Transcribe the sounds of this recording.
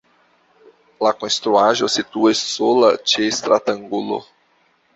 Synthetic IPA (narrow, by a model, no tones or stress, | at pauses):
lakõest̪ɾuaʒosit̪uessolɐt͡ʃiest̪ɾʔat̪ɐ̃ŋɡulo̰